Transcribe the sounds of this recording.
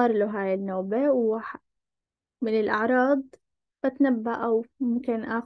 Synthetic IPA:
ɑɾˤluɦaːjɪnːoːbewaħ | mɪnɪlʔɑʕɾˤɑːd̪ˤ | b̥at̪nabːaʔawmʊmkɪnʔaː

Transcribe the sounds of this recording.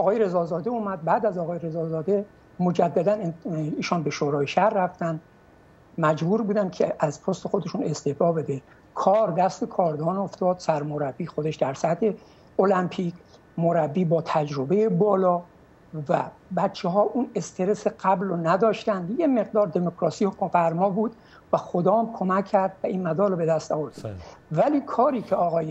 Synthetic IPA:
ɒːɣɒːjeɾe̞zɒːzɒːd̪e̞uːmæd̪̚bæːd̪æzɒːɣɒːjeɾe̞zɒːzɒːd̪e | mo̞d͡ʒæd̪ːæd̪æniːʃɒːnbeʃoɾɒːjeʃæhɾræft̪ænd̪ | mæd͡ʒbuːɾbuːd̪ænkʰeʔæzpʰost̪e̞xo̞d̪e̞ʃune̞st̪efɒːbe̞d̪e | kʰɒːɾd̪æst̪e̞kʰɒːɾd̪ɒːno̞ft̪ɒːd̪̥sæɾmoɾæbːiːxo̞d̪eʃd̪æɾsæt̪ʰe̞ | olæmpʰiːkʰ | moɾæbːiːbɒːt̪ʰæd͡ʒɾo̞be̞jebɒːlɒː | væ̰bæt̪t͡ʃʰːeɦɒːʔune̞st̪ʰe̞ɾe̞seɢæblonæd̪ɒːʃt̪ænd̪jeme̞ɣd̪ɒːɾd̪e̞mokɾɒːsijokʰofæɾmɒːbuːd̪ | væxod̪ɒːmkʰo̞mækʰːæɾd̪væʔiːnmæd̪ɒːlobe̞d̪æst̪ɒːvoɾd̪ivæliːkʰɒːɾiːcʰeɒːɣɒːje

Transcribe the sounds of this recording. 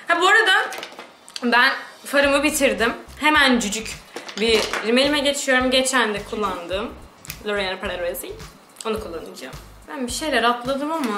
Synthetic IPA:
habboɾad̪a | bænfaɾɯmɯbit̪ʰiɾd̪imhe̞mænd͡ʒyd͡ʒycbiɾime̞lʲimɛɟe̞t͡ʃʰijo̞ɾumɟet͡ʃʰænd̪ɛkʰulˠːand̪ɯːm | lʲˠoɾenaɾpɾaɾesi | o̞nukʰulˠːanɯd͡ʒaːm | b̥ænbiʃe̞jlʲæɾat̪lˠad̪ɯmama

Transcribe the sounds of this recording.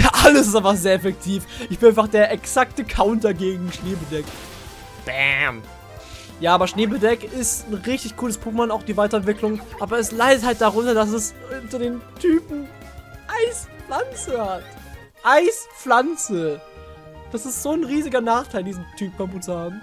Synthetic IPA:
ʔaləs̬ɪstaɪfaχzeːɐɛfɛk̚tʰiːfʔɪçb̥ɪnʔaɪnfaχd̥eːɐɛksak̚təkʰaʊntɐɡeːɡŋ̩ʃneːbədɛk | b̥ɛ̰m | jaːʔaːbɐʃneːbədɛkɪstn̩ʁɪçtɪçkʰuːləspʰuːkmanaʊxd̥iːvaɪtɐɛntv̥ɪklʊŋʔaːbɐɛslaɪdəthalt̚d̥aʁʊntɐdas̬ɛsʊntɐdeːntʰyːpm̩ | ʔaɪsflant͡səhat | ʔaɪsflant͡sə | d̥asɪstz̥oːnʁiːzɪɡɐnaːχtʰaɪldiːzn̩tʰyːpm̩fabuːt͡suhaːbm̩

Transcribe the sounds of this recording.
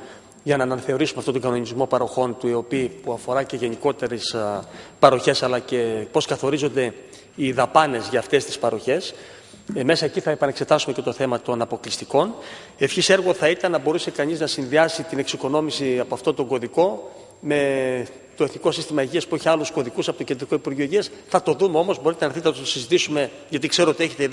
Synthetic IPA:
ʝɐnɐːnɐnɐθe̞o̞ɾisumeɐft̪ot̪o̞ŋɡɐno̞nizmo̞pɐɾo̞xo̞nt̪uio̞piːpuɐfo̞ɾɐce̞ʝe̞niko̞t̪e̞ɾespɐɾo̞çe̞sɐlɐce̞po̞skɐθo̞ɾizo̞nd̪e̞ | iðɐpɐne̞zʝɐːft̪e̞st̪i̥spɐɾo̞çe̞s | me̞sɐe̞ciθɐepɐne̞kse̞t̪ɐsume̞cet̪o̞θe̞mɐt̪o̞nɐpo̞klist̪iko̞n | efçise̞ɾɣo̞θɐit̪ɐnːɐbo̞ɾuse̞kɐɲiznɐsinðiɐsit̪ine̞ksiko̞no̞misiɐpoɐft̪o̞t̪o̞ŋɡo̞ðiko̞ | me̞ | t̪o̞eθniko̞sist̪imɐiʝiɐspueçiɐlusko̞ðikusɐpo̞t̪oced̪ɾiko̞ipuɾʝioʝiɐsθɐt̪o̞ðumeo̞mo̞zbo̞ɾit̪enɐθit̪enɐt̪ot̪osizit̪isume̞ | ʝɐt̪ikse̞ɾoo̞t̪ie̞çet̪e

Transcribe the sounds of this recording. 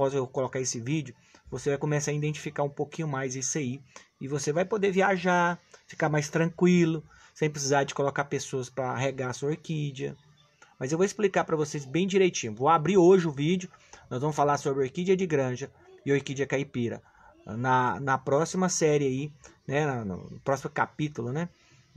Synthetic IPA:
pɔzewkolokaɾesɪvid͡ʒʊ | vosevajkõmesaɐid̪ẽnt͡ʃi̥fikaɾũpokĩɲʊmajzisaiɪvosevajpod̪eviaʒafi̥kamajst̪ɾɐ̃kwilʊ | sẽpɾɪsizaɾd͡ʒɪkolokapesoɐspɾɐɦeɡasuojkid͡ʒiɐ̰ | mɐzewvoɪsplikapɾɐvosezbẽj̃d͡ʒiɾejt͡ʃĩɲʊvowabɾiɾoʒɪʊvid͡ʒʊnɔzvɐ̃mʊsfalaɾsobɾɪojkid͡ʒiɐd͡ʒɪɡɾɐ̃ʒɐ | ɪojkid͡ʒɐkaipiɾɐ̰ | nɐnɐpɾɔsimɐsɛɾɪainɛnɐnʊ̰nʊpɾɔsimʊkapit̪ʊlʊnɛ

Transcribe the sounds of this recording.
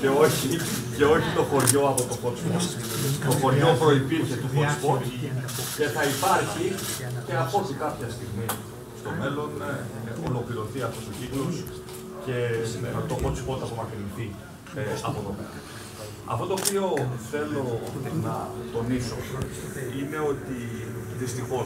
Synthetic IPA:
ce̞o̞çice̞o̞çit̪o̞xo̞ɾʝo̞ɐpo̞t̪o̞xo̞t͡spot̪ | t̪o̞xo̞ɾʝʝo̞pɾo̞ipiɾçet̪uxot͡sfot̪ce̞θɐipɐɾçice̞ɐpo̞θikɐpçɐst̪iɣmi | st̪o̞me̞lo̞no̰lo̞kliɾo̞θiɐft̪ost̪ociklos | ce̞et̪oxo̞t͡spo̞t̪ɐpomɐkeliθi | ɐ̰pot̪o̞mḛlo̰n | ɐ̰ft̪o̞t̪oːpio̞θe̞lo̞nɐt̪o̞niso̞̰ | ine̞o̞t̪iðist̪ixo̞

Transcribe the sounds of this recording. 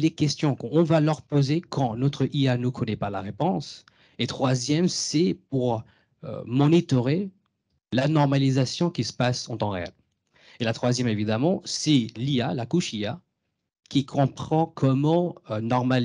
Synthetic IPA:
lekʲɛst̪jɔ̃kɔ̃valœʁpozekɑ̃nɔt̪χəʔianukʰɔnɛpalaʁepɔ̃s | et̪χwazjɛmsɛpuʁ | ø̰mɔnit̪ɔʁe | lanɔʁmalizasjɔ̃kʲisə̥pasɑ̃t̪ɑ̃ʁḛɛ̰l | elat̪χwazjɛmevid̪amɑ̃sɛlialakuʃia | kʲikʰɔ̃pχɑ̃kʰɔmɑ̃ønɔʁmal

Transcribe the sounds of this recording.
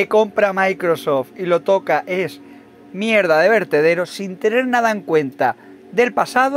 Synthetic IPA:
eko̞mpɾamajkɾosoft̪ilo̞t̪o̞kaʔe̞s | mje̞ɾðaðe̞β̞e̞ɾt̪e̞ð̞e̞ɾosint̪e̞ne̞ɾnað̞ae̞ŋkwe̞nt̪a | ðe̞lpasaðo

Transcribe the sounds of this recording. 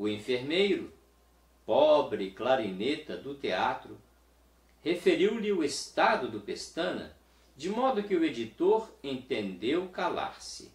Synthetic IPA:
ʊĩfeɾmejɾʊ | pɔbɾɪklaɾinet̪ɐd̪ʊt̪eat̪ɾʊ | hefeɾiwlɪʊest̪ad̪ʊd̪ʊpest̪ɐ̃nɐ̰ | d͡ʒɪmɔd̪ʊkɪʊed͡ʒit̪oɾẽnt̪ẽnd̪ewkala̰ɾsɪ̰

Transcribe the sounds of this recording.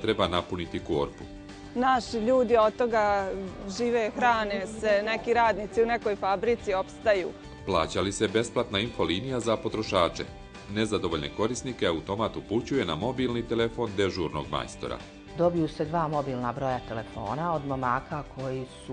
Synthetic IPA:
t̪ɾe̞banapunit̪ikoːɾpu | naʃiʎuːd̪io̞d̪̚t̪ːo̞ɡaʒiːʋexɾaːnesene̞kiɾaːd̪nit̪siune̞ko̞jfabɾit̪sio̞pst̪ajṵː | plˠa̰ːt͡ɕalisebe̞splat̪nainfo̞liːnijazapo̞t̪ɾo̞ʃaːt͡ʃe̞̰ | ne̞zad̪o̞ʋo̞ʎne̞̰ko̞ɾisnikeaut̪o̞mat̪uput͡ɕuje̞na̰mo̞biːlnit̪ele̞fo̞nd̪e̞ʒuɾno̞̰ɡma̰jst̪o̞̰ɾa̰ | d̪o̞bijuse̞d̪ʋaːmo̞biːlˠnabɾo̞jat̪ele̞fo̞̰ːnaod̪momaːkakʰo̞jisu

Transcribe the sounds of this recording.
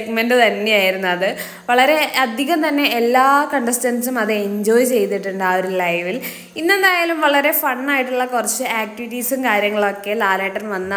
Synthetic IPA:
ekmenɖɨt̪ɐnːeaːjiɾunːuɐðɨ | ʋɐɭɐɾe̞ɐd̪ʱiɣɐmt̪ɐnːe̞ːlːaːkɐɳɖɐsʈɐnsumɐðɨeɲd͡ʑoːjt͡ɕe̞jt̪iʈːuɳɖaoɾulɐjʋil | inːend̪aːjaːlumʋɐɭɐɾe̞fɐɳːaːjiʈːuɭːɐkurɐt͡ɕːɨaːk̚ʈiʋiʈːiːsumkaːɾjɐŋːɐɭo̞kːe̞laːleːʈːɐnʋɐnːɐ

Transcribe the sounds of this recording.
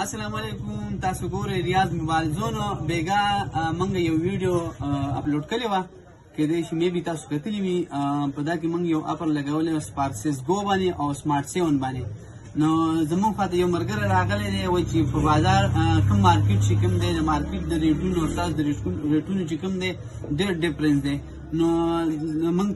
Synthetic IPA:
asalaːmalekumt̪ɑːsoɡoɾejɾijaːzmʊbaːlzonobeɡaməŋɡajawwiɖijoa̰ploɖkəlewa | ked̪ejʃimebit̪aso̥kat̪əliwipəd̪ak̬emuŋɡjawʔa̰pəɾlaɡɐwəlewaspaɾʈsesɡobaneʔawsmɑːɾʈseʋənbane | nozamuŋɡxwat̪ajawməɾɡəɾaɾaɣəled̪ewajt͡ʃepəbɑzɑɾkəmːɑɾkɪʈ̚t͡ʃekəmd̪ed̪əmɑɾkɪʈ̚d̪əɾeʈunoasasd̪əɾeɾeʈunot͡ʃekəmd̪e | ɖeɾɖɪfɾensd̪e | no | məŋɡ

